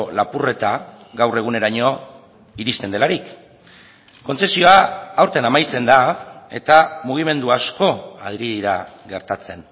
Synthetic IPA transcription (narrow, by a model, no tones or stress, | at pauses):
lapure̞t̪aɡawre̞ɣ̞une̞ɾaɲo̞ | iɾist̪e̞nd̪e̞laɾik | o̞nse̞sio̞aːwɾt̪enamajt͡se̞nd̪ae̞t̪amuɣ̞ime̞nd̪uasko̞aðɾiðiɾa | ɣe̞ɾt̪at͡se̞n